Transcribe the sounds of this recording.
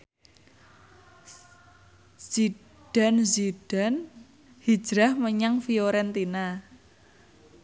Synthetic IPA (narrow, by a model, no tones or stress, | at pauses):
z̥i | ɖ̥a̤nziɖ̥a̤n | hid̥d͡ʒ̥ɾahməɲaŋfioɾɛnt̪ina